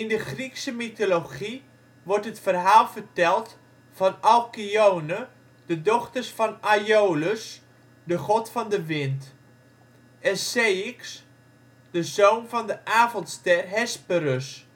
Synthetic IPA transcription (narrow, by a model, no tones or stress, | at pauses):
ɪndəχriksəmitoloχi | ʋɔrtɦətfərɦaːlˠvərtɛlˠt | fɑnɑlˠkiownə | dədɔχtərsfɑnajoːləs | dəχɔtfɑndəʋɪnt | ɛsejɪks | d̥əzownvɑndəʔaːvɔntstɛrɦɛspəɾəs